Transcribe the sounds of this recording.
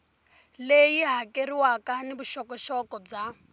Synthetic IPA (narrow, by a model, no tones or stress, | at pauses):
lejiɦakeɾiwakanibuʃɔkɔʃɔkɔb͡ʐa